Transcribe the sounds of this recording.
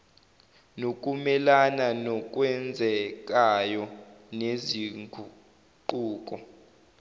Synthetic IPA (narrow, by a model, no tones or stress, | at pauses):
nokʼumɛlananɔk̬ʼwɛnd͡zʱɛk̬ʼajɔneziŋʱu | ǃuːk̬ʼɔ